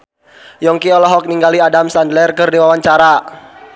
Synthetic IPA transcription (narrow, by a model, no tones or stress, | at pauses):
jɔŋkiɔlɔɦɔk̚niŋɡaliadamsandlɛrkərdiwawaɲt͡ʃaɾa